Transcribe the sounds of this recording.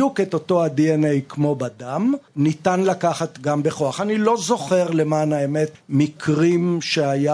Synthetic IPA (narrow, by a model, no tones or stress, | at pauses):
uketoto̞adienejkmo̞badamnitanlakaχat̪ɡambeχoaχanilo̞zo̞χe̞ʁle̞manaemetmikʰʁimʃeaja